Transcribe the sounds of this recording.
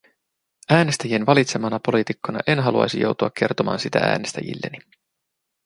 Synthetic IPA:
æːne̞st̪æjienʋɑlit̪se̞mɑnɑpo̞lit̪ikːonɑ̰ʔe̞nɦɑluɑ̰jsijo̞̰wt̪uɑkːʰe̞rt̪omɑ̰ːnsit̪ææ̰ːne̞st̪æ̰jḭlːe̞ni

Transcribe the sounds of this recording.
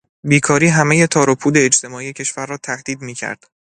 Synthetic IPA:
biːkʰɒːɾiːɦæmeje̞t̪ʰɒːɾopʰuːd̪e̞ːd͡ʒt̪ʰe̞mɒːije̞cʰe̞ʃvæɾːɒːt̪ʰæhd̪̥iːd̪miːcʰæ̰ɾd̪̥

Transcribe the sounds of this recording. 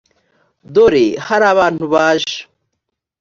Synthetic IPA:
d̪oːɾehɐɾawaːnubaːɕ

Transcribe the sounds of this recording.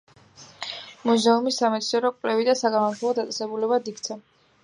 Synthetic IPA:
muzɛumisːamɛt̪sʰnɛɾɔkʼwlɛvid̪asaɡanat̪ʰɔvˠɔd̪at̪sʼɛsɛbulɛβad̪ikt̪sʰɛ

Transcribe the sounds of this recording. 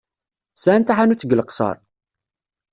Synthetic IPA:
sænt̪aħanut͡sːəɡləqsɑ̰ɾˤ

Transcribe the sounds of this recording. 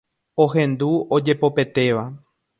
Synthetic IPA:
oɦẽ̞nd̪uod͡ʒe̞po̞pe̞t̪e̞ʋa

